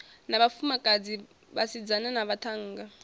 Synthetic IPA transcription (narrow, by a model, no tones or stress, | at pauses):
naβafumakʼad͡zi | βasid͡zananaβatʰaŋ̩ːɡa